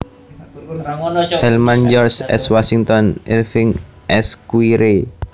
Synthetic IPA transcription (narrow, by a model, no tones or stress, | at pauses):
hɛlmand͡ʒɔrsɛ̰swasiŋt̪ɔnḭlfɪŋ | ʔɛskwiɾe